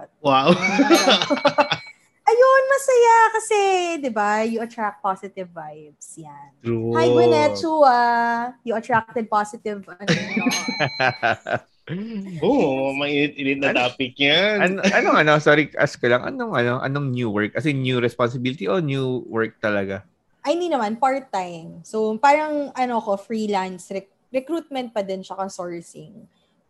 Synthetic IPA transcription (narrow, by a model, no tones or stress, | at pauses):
waw | ʔɐjonmɐsɐjakɐsɛd̪ɪbajʊʔɐt̪ɹak̪̚pasɪt̪ɪvːajbsjanuhajwɛnɛtuajʊʔɐt̪ɹak̚t̪ɛd̪̚pasɪt̪ɪv | ʔomɐinɪt̪̚ʔɪnɪt̪̚nɐnaːpɪk̚ɲanɐnoʔɐnoŋɐnosoɾikʔɐ̰skɐlɐŋʔɐ̰noŋʔɐnoʔɐ̰noŋnjuwɛɹk̚ːɐsɛnjuɾɛsponsɪbilɪt̪iʔonjuːwɛɹk̚t̪ɐlɐɡa | ʔɐjɪnd̪iːnɐmanpaɹt̪ːajŋsopaːɾɐŋʔɐnoɐko̞fɹiːlansɾɛ | ɾɛkɾuːt̪̚mɛ̃nt̪̚pɐd̪ɪnʃɐkɐŋsoɹsɪŋ